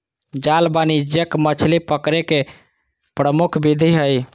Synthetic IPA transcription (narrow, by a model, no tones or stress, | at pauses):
d͡ʒalbanid͡ʒjəkmət͡ʃʰlipəkɾeke | pɾəmukʰbid̪ʱiɦəj